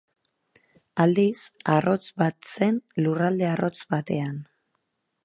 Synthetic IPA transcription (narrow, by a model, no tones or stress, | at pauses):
ald̪isaro̞t͡sβat̪se̞nlurald̪e̞aro̞t͡sβat̪e̞an